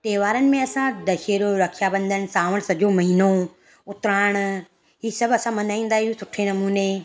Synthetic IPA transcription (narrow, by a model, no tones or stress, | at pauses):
t̪eːʋaːɾənɪ̆mẽɐsãd̪ɐʃeːɾoɾɐkʰijabɐ̃nd̪ənɪ̆saːʋəɽ̃sɐʄomɐɦino | ʊt̪ɾaːɪɽ̃ | ɦiːsɐbʱɐsãmɐnaːĩːn̆d̪aːɦiɦũsʊʈʰenɐmuːne